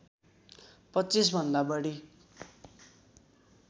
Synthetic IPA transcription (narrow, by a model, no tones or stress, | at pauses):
pʌtːt͡sis̬bʱʌnd̪abʌɽi